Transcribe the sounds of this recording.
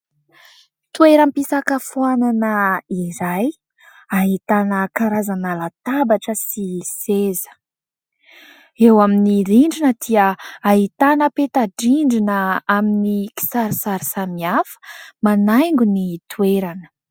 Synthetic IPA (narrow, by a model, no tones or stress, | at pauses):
t̪weɾəmpisakafuananəiɾaj | aɦit̪anəkaɾazanalat̪abaʈ͡ʂəsisezə̥ | ewaminiɾiɳɖ͡ʐinəd̪̥iəaɦit̪anəpet̪aɖ͡ʐiɳɖ͡ʐinəaminiki̥saɾisaɾisamiafə̥manajŋɡunit̪ueɾanə̥